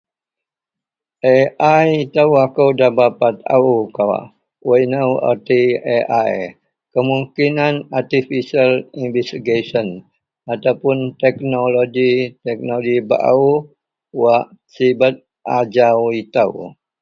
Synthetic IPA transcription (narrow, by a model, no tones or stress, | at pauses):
ʔeʔajit̪əwakəwdabapat̪̚a̰ukawa̰ʔ | wainəwa̰t̪ieʔaj | kəmuŋkinanat̪ifisəlinvɛst̪iɡesən | at̪awpʊnt̪ɛk̚noloɡit̪ɛk̚noɡiba̰ʔa̰u | waʔsibət̪̚ | ʔad͡ʒawit̪əw